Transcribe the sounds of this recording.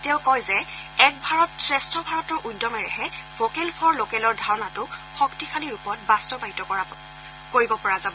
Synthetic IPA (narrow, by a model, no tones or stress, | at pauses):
teʊkɔjzɛɛk̚bʱaɹɔtsɹɛstʰɔbʱaɹɔtɔɹʔujdɔmɛɹɛhɛfokelpʰɔɹlokɛlɔɹdʱaɹɔnatʊxɔktixʰaliɹupɔtbastɔbaɦitɔkɔa | koɹibɔpɔɹazabɔ